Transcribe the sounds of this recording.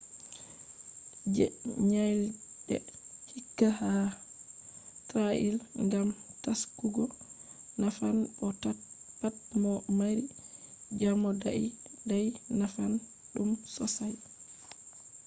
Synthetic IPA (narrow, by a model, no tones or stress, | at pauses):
d͡ʒɛ̰ɲajlɗɛ̰hikːaha | tɾaʔḭlŋɡamtaskuɡɔ | nafanbɔtpat̚mɔmaɾid͡ʒamɔdaidajnafan | ɗumsɔsaj